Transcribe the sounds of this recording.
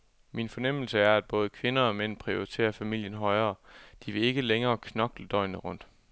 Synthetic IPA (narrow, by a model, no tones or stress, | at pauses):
minfɒ̽nem̰l̩səæɐæd̥̚b̥ɔ̽ːð̞ˠəkʰʋe̝nɐɒ̽men̰pʰʁio̝ʁit͡sʰe̝̰ːɐfæmil̰jənɦɒ̽ɪɐːd̥iʋe̝e̝ɡ̥əleŋɐːkʰnɒ̽ɡ̥ləd̥ɒ̽ɪ̰nəʁɔ̽n̰d̥